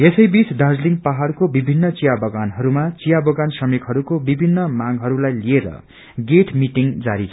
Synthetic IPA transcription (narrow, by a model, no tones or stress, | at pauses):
esʌjbit͡sɖad͡zliŋpaɦarkobibʱinːʌt͡sijabʌɡanɦʌɾumat͡sijabʌɡansʌmikɦʌɾukobibʱinːʌmaŋɦʌɾulajlieɾʌ̰ | ɡeʈʰmiʈiŋd͡zaɾit͡sʰ